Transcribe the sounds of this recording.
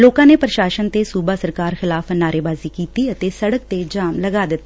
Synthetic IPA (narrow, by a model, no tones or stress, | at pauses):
loːkãːneːpɾəʃaːʃənt̪eːsuːbaːsəɾkaːɾxɪlaːfnaːɾeːbaːziːkiːt̪iːət̪eːsəɽək̚t̪eːd͡ʒaːmləɡaːd̪ɪt̪ː